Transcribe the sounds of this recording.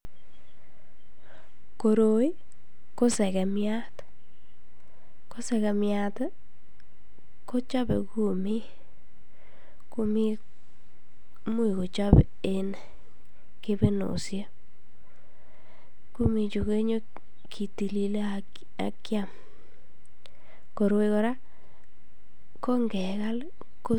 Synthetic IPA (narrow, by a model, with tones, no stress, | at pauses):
ko˨ɾo˦i˦ | ko˦sɛ˨kɛ˨mja˦t | ko˦sɛ˨kɛ˨mja˨t̪ | ko˦t͡ʃa˦bḛ˨ku˦mi˦ | ku˦mi˦ | mu˦i˨ko˨t͡ʃa˦b | e˦n | ke˦be˦no̰˨sja˦ | ku˦mi˨t͡ʃu˨ke˦ɲo˦ | kʰi˨ti˨li˨le˦a | a̰˨kja˦m | ko˨ɾe˧kɔ˦ɾa˦ | ko˦ŋɡɛ˨ka˦l | ko˦